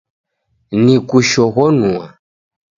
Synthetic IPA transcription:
nikuʃɔɣɔnũa

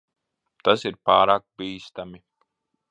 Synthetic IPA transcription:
t̪asiɾpɑːɾɑk̚piːst̪ami

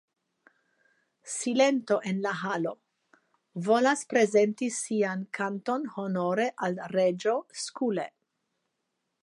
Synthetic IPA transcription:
sile̞nto̞ʔe̞nlaɦalo | vo̞laspɾe̞ze̞ntisiankʰanto̞nho̞noɾe̞ʔalred͡ʒo̞skulḛ

